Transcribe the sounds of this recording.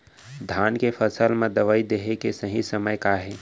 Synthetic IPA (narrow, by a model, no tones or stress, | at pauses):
d̪ʱaːnkepʰəsəlmẽd̪əʋəid̪eɦekesəɦĩsəməjkaɦɛː